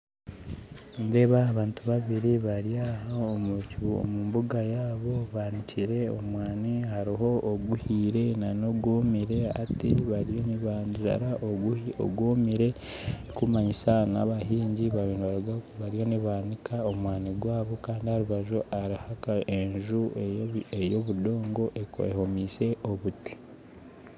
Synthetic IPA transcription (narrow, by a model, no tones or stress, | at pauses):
nde̞ːβaːβaːntuβaβiɾiβaɾijahaomuciβuo̰muːmbuɡajaːβo̞βaːniciɾe̞o̰mwaːnihaɾiɦo̞ːɡuhiːɾe̞nanoɡomiɾe̞a̰tiβaɾijoniβanʒa̰ɾaʔoɡuio̰ɡwoːmiɾe̞ | kumaɲisana̰βaɦiːɲɟiβainiβaɾɡaβaɾijo̞niβaːnikʰaomwaːniɡwaːβo̞kaːndihaɾuβaʒoʔaɾihakae̞ɲʒueejo̞βudo̞ːŋɡo̞ʔeko̰ḛho̞miːse̞ʔo̞βuti̥